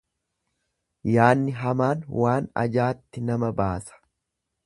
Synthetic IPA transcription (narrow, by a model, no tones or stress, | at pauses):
jaːnːɪɦɐmaːnwaːnɐ̰d͡ʒaːt̪ːɪnɐmɐbaːsɐ̥